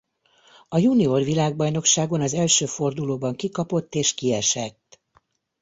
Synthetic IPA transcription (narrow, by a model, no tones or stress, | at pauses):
ɒjunio̞rʋilaːɡ̚bɒjno̞kʃaːɡo̞nɒzɛlʃøːfo̞rd̪uloːbɒŋkikɒpo̞t̪ːeːʃkiɛʃɛt̪ː